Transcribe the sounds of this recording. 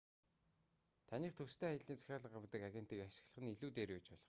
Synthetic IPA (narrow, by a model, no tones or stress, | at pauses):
t̪ʰaniːχt̪ʰɵst̪ʰeːajə̆ɮiːnt͡sḁxʲaːɮə̆qawt̪ə̆kaɣʲen̥t̪iːkaʃɪ̆xɮə̆χə̆niɮuːt̪eːɾet͡ɕpɔɮɞ̆χ